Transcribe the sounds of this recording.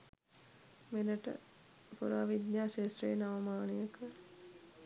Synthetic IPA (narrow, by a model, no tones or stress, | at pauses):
menəʈə̰ | puɾa̰ʋid̪ɲaːʃeːsrejenaʋɐmaːnijəkə